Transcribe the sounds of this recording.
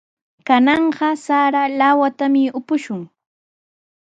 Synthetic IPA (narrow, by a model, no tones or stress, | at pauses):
kanɑɴɢɑsaɾalawat̪amɪʊpʊʃʊŋ